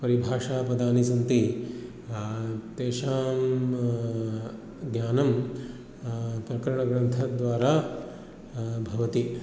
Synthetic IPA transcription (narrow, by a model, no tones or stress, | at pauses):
pɐɾibʱaːʂaːpɐd̪aːnisɐnt̪i | t̪eːʃaːm | ɡjaːnɐm | pɾɐkɐɾɐɳɐɡɾɐnt̪ʰɐd̪ʋaːɾaː | bʱɐʋɐt̪i